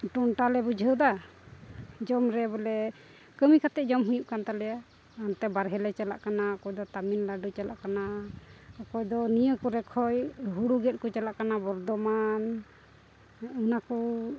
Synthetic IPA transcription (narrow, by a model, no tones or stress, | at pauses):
ʈɔnʈalɛbud͡ʒʱəwd̪a | d͡ʒɔmɾɛbɔlɛ | kəmikʰat̪ɛʔ̚d͡ʒɔmɦujuʔkant̪alɛja | ant̪ɛbaɾɦɛlɛt͡ʃala̰ʔkanaɔkɔjd̪ɔt̪aminlaɖut͡ʃala̰ʔkana | ɔkɔjd̪ɔnijəkɔɾɛkʰɔjɦuɽuɡɛt̪̚kɔt͡ʃalaʔkanabɔɾd̪ɔman | ɨnakɔ